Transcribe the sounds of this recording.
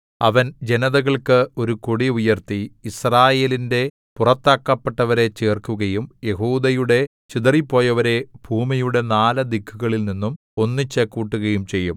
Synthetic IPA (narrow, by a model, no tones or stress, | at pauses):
ɐʋɐnd͡ʑe̞nɐðɐɣɐɭkɨo̞ɾukoɽiujɐrt̪iːsraːje̞ːlinde̞ | purɐt̪ːaːkːɐpːeʈːɐʋɐɾe̞t͡ɕeːrkuɣɐjumje̞ɦuːd̪ɐjuɽe̞ | t͡ɕid̪ɐripːo̞ːjɐʋɐɾe̞b̥ʱuːmijuɽe̞naːlɐd̪ikʰːuɣɐɭilninːum | o̞nːit͡ɕːekːuːʈːuɣɐjumt͡ɕe̞jːum